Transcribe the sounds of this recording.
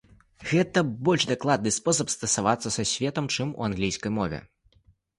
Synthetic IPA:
ɣɛt̪ɐbɔlʲʐd̪aklˠad̪nɨspɔs̬ɐpst̪ɐsavat̪sːɐsasʲvʲɛt̪ɐmt͡ʂɨmṵanɣlʲijskɐjmɔvʲɛ̰

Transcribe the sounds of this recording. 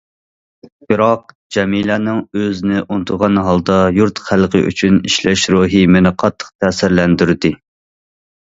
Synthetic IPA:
b̥ɨɾɑq̚ | d͡ʒɛmilɛnɪŋøzɪnɪʔunt̪ʰʊɾʁɑnɦɑlˠd̪ɑjuɾt̪χælˠqʰə̰ʔy̰t͡ʃʰyniʃlɛʃɾuːɦimenɪqʰɑt̪ʰːə̥qt̪ʰæːsɪɾlɛnd̪yɾd̪ɪ

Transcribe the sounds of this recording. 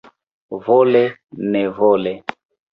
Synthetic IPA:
vɔlɛnɛvɔlɛ

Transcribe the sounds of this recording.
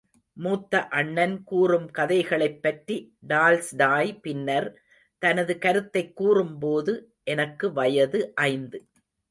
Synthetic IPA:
muːt̪ːɐʔɐɳːɐnkuːrɯmkɐðɐɪɣɐɭɐɪpːɐʈriɖaːlsɖaːjpɪnːɐɾ | t̪ɐnɐðɯkɐɾɯt̪ːɐɪkːuːrɯmpoːðɯ | ʔɛnɐkːɯʋɐjɐðɯʔɐɪnd̪ɯ

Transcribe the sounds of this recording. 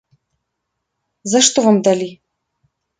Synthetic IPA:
zaʂt̪ovɐmd̪ali

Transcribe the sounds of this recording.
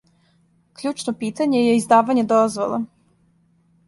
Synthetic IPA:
kʎuːt͡ʃnopiːt̪aɲe̞jeizd̪aːʋaɲed̪ozʋolˠo̰

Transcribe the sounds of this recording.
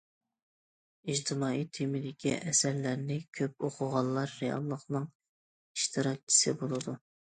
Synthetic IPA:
id͡ʒt̪ʰɨmɑːijt̪ʰːemɪd̪ɪkʲḭʔɛsɛɾlæɾnɪkʲʰøp̚oqʰʊʁɑlˠːɑɾːejɑ̰lˠːəqnɨŋ | iʃt̪ʰɨɾɑk̚t͡ʃʰi̥sɨbolˠɨd̪u

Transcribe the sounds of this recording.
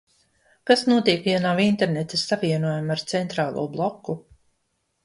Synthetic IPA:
kasnuɔt̪iɛkjanavint̪eɾnet̪esːavʲiɛnuɔjamaɾt̪sɛnt̪ɾaːlˠṵɔblˠɔkːu

